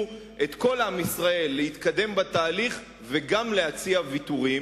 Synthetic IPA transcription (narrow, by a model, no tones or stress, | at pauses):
e̞t̪ko̞lamisʁae̞lːehit̪kad̪e̞mbat̪aːliχ | veɡamlehat͡siavit̪uʁi